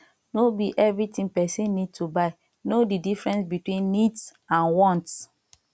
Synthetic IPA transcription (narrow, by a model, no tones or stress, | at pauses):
nobiʔɛvɹitĩŋpɛsĩnːid̚tubaɪ | nodidifɹɛ̃nsbitwĩnːits | ãnwɔ̃nts